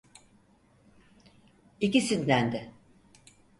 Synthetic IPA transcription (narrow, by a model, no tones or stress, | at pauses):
icisind̪ænd̪ɪ